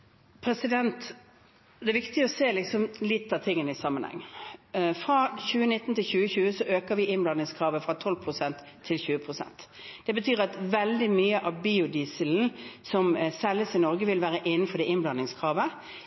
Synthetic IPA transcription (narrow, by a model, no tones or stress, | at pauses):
pʰɾɛsɪd̪ɛnt̪ | d̪ɛʋɪkt̪ɪəɔseːlɪksɔmlɪt̪ːɑʋt̪ʰɪŋːənəɪsɑmənhɛ̰ŋː | fʁɑːɕʉːənɪt̪ːn̩t̪ʰɪlçʉːəçʉːəsɔʔøːkəʋɪʔɪnblɑnːɪŋskʰʁɑːʋəfʁɑt̪ʰɔlpʰʁʊsɛnt̪ʰːɪlçʉːəpʰʁʊsɛ̰nt̪d̪̥ɛbət̪ʰyːɾɑt̪ʋɛld̪ɪmyːəʔɑʋbiːʊd̪iːsəln̩sɔmsɛlːəsɪnɔʁɡəʋɪlʋæːɾəʔɪn̩ːfɔd̪ɛɪnblɑnɪŋskʰʁɑːʋə